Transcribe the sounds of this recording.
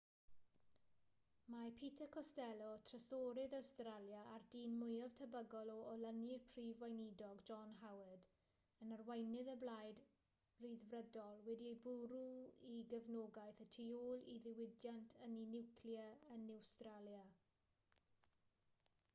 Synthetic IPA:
mapʰitʰəkʰɔstɛlˠɔtʰrəsoːɾɪðawstralˠjaʔardiːnmʊjav̥tʰəbəɡɔlˠɔɔlənjɪpʰriːvwajnidɔɡd͡ʒɔnɦawəd | ənərwɛjnɪðəblˠajd | riðvrədɔlˠwɛdiejbʊɾuiɡəvnoːɡajθətʰioːlˠiðɪwɪdjantʰəninɪwkʰljəənawstralja

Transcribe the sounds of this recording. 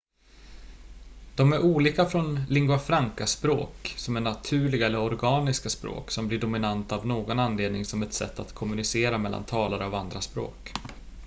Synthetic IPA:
d̪̥ɔmæɾuːliːkafɾɔnlɪŋɡʉafɾaŋkaspɾo̰ːksɔmɛnːat̪ʰʉ̟ːɭɪɡaɛlːəɾɔɾɡɑːnɪskaspɾo̰ːksɔmblɪɖʊmɪnant̪avnoːɡɔnanːleːd̪nɪŋsɔmɛt̪sɛ̰t̪ːa̰t̪kʰɔmɵnɪseːɾamɛlːa̰nt̪ʰɑːlaɾəavand̪ɾaspɾo̰ːk

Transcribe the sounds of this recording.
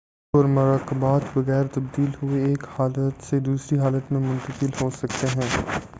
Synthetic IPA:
ɔːɾmʊɾaːkəbaːt̪bɐɣɛːɾt̪ɐb̚d̪iːlɦʊeeːkhaːlət̪sed̪uːsɾiɦaːlət̪mẽmʊ̃nt̪əkɪlɦosɐkt̪eɦɛ̃ː

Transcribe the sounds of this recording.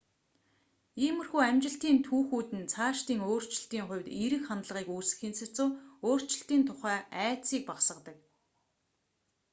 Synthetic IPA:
iːmɵ̆rxuːæmt͡ɕɪ̆ɬt̪iːnt̪ʰuːxuːt̪ɘ̆nt͡sʰaːʃt̪iːŋoːr̥t͡ɕɪ̆ɬt̪iːŋχʊ̟wʲt̪iɾɘ̆kχant̪ɮ̆ʁiːkuːsɘ̆xeːnsɘ̥̆t͡sʊ̆ːoːr̥t͡ɕɪ̆ɬt̪iːnt̪ʰʊχæːæːt͡siːk̚paχsə̆t̪ə̆k̚

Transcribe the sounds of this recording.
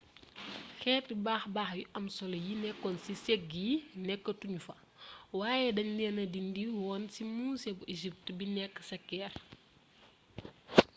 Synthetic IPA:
xɛːt̚ːibaːxbaːxjuʔɐmsɔlɐjinɛkːɔnsisɛkːinɛkːətuɲufɐ | waːjɛdɐɲlɛnɐdindiwɔːnsimuːsɛbuʔeʒip̚tbinɛkːə̥sɐkːɛːr

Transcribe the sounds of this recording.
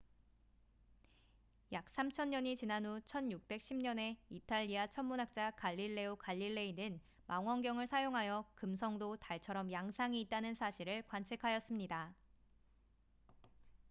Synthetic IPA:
jak̚s͈amt͡ɕʰʌɲːʌɲit͡ɕinanut͡ɕʰʌnjuk̚p͈e̞k̚ɕ͈ʰimɲʌne̞itʰaʎːiat͡ɕʰʌmmunɦak̚t͡ɕ͈akaʎːiɭːe̞okaʎːiɭːe̞inɯn | maŋwʌŋɡjʌŋɯɭsʰajoŋɦajʌkɯms̬ʰʌŋdotaɭt͡ɕʰʌɾʌmjaŋsʰaŋiːt̚t͈anɯnsʰaɕʰiɾɯɭkwant͡ɕʰikʰajʌs͈ɯmɲida

